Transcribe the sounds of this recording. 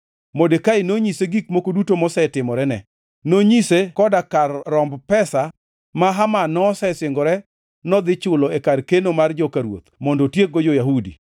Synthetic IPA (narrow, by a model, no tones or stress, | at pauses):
modekaɪnoɲiseɡik̚mokodutomɔsɛtɪmɔɾɛnɛ | noɲisekɔdakarːɔmbpɛsa | maɦamanɔsɛsɪŋɡɔɾɛ | nɔd̪ɪt͡ʃʊlɔekarkenomard͡ʒɔkaɾwo̰t̪mɔndɔtjek̚ɡɔd͡ʒɔjaɦudḭ